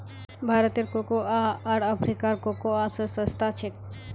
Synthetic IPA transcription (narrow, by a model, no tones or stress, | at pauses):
bʱaɾot̪eɾkokoaaɾəpʰɾikaɾkokoasəsə̃st̪at͡ɕʰek